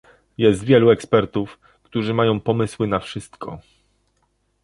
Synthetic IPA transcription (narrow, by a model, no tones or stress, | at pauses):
jɛst̪vʲjɛluɛkspɛɾt̪uf | kt̪uʐɘmajɔ̃w̃pɔmɘswɘnafʂɘst̪kʰɔ̰